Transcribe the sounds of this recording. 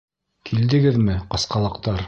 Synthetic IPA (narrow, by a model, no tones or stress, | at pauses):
kʰild̪ɘ̆ɡɘðmɘqɑsqɑlˠɤ̆qt̪ɑɾ